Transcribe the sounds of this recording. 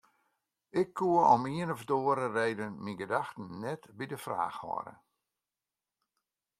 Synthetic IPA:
ʔɪkʰːuəɔ̰miənɔfdoəɾərejdənminɡədaxtən̩ːɛtbidəfra̰ːxhɔ̰ɾə̰

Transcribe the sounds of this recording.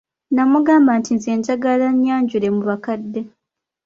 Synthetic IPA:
namuɡaːmbantinzeːɲɟaɡalaɲjaːɲɟuɾemuβakadːe

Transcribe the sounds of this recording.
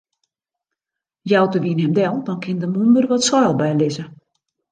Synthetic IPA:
jawtəʋinɦɛmdɛlˠdɔnkʰɪndəmundərʋɔtswɔːlˠbɛjlɪzə

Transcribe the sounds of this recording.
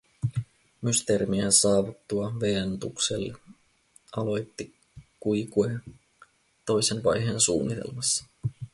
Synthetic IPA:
myst̪e̞ːɾimiehensɑːʋut̪ːuɑʋe̞ænt̪ukse̞lːe | ɑlo̞jt̪ːi | kujkue | t̪o̞jse̞nʋɑjɦe̞nsṵːnːit̪e̞̰lmɑsːɑ̥

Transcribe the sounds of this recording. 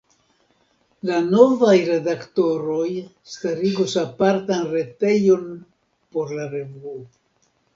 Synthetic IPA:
lano̞vajɾe̞dakto̞ɾoj | staɾiɡusapaɾtanɾe̞te̞jo̞n | po̞ɾlaɾe̞vuo

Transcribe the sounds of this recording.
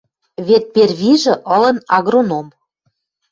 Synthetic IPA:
βet̪̚perβiʒɤ̆ʔɤ̆lɤ̆nɑɣɾonom

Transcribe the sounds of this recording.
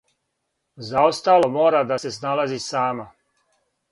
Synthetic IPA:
zaost̪aːlˠomoːɾad̪ase̞s̬nalazisaːma

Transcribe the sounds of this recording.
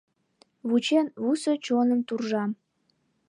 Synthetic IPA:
βut͡ɕenβusot͡ɕonəmt̪urʒɑm

